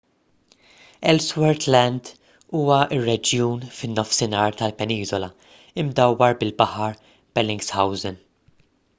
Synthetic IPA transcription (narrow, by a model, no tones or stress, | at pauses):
ɛlswɛɾt̪lɛnd̪ | uːwɐɪrːɛd͡ʒjuːnfɪnːɔfsɪnɐːɾt̪ɐlpɛniːzɔlɐ | ɪmd̪ɐwːɐɾbɪlbɐħɐɾ | b̥ɛlɪŋɡshɐwzɪn